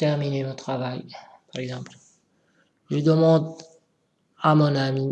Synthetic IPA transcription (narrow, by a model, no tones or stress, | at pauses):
t̪ɛʁminemɔ̃t̪χavaj | paʁɛɡzɑ̃ːpl | ʒəd̪əmɑ̃d̪ | amɔnami